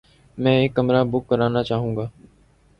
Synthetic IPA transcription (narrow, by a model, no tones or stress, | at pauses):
mɛ̃ːɪkːəmɾaːbʊkːəɾaːnaːt͡ʃaːɦũːɡaː